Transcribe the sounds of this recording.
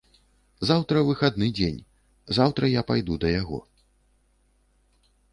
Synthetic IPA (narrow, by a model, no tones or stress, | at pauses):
zawt̪ɾɐvɨxad̪nɨd͡zʲenʲ | zawt̪ɾɐjapajd̪ud̪ɐjaɣɔ̰